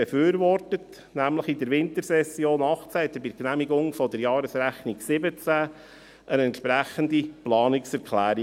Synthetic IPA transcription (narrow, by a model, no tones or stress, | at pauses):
ɛfyːɾʋɔrtət | næmləχid̪əɾʋɪnt̪əɾsɛsjoːnɑχt͡sæɛt̪əbɪknæmiɡʊŋfɔd̪əɾjɑːɾəsɾæχniɡsɪbət͡sæ | ənɛntʃpɾæχənd̪iplɑːniksɛɾkʰlæːɾi